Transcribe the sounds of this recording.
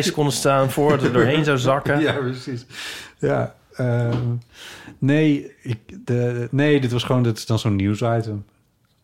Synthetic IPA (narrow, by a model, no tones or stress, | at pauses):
skɔndəstaːnfʊːɹdɑtədʊːɹɦejnzawzɑkəjaprəsisja̰ː | ə | nejɪk̚dənejdɪtʋɑsχəʋowndɑtɪ̥sdɑnzownːusajtəm